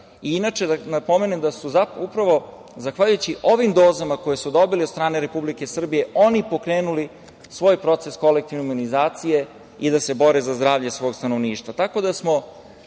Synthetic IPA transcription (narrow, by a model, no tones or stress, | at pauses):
iinat͡ʂeanapo̞me̞nemd̪asuzaupɾaʋo̞ | zaxʋaʎujut͡ɕiʔo̞ʋimd̪o̞ːzamako̞jesud̪o̞biliot̪st̪ɾaːneɾe̞publike̞sr̩bije̞ʔo̞nipo̞kɾeːnuli | sʋo̞ːjpɾo̞t̪se̞sko̞lek̚t̪iʋnemunizaːt̪sije̞ | id̪ase̞bo̞ɾezazd̪ɾaːʋʎesʋo̞ːɡst̪ano̞ʋniːʃt̪ʋat̪ako̞d̪asmo̞